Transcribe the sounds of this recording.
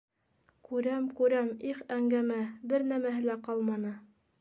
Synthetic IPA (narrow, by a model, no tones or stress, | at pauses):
kʉɾæmkʉɾæmiχæŋɡæmæbɘɾn̪æmæɦɘ̆læqɑlˠmɑnɤ